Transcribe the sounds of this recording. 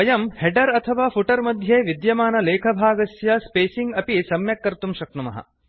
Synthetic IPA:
ɐjɐmheɖɐɾɐt̪ʰɐʋaːpʰuʈɐɾmɐd̪ʱjeːʋid̪jɐmaːnɐleːkʰɐbʱaːɡɐsjɐspeːsiŋɡɐpisɐmjɐkːɐɾt̪umʃɐkɳɐmɐ̰ɦɐ̰

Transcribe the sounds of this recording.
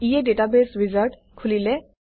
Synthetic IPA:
ijeɖeʈabesɹizaɾʈ | kʰulile

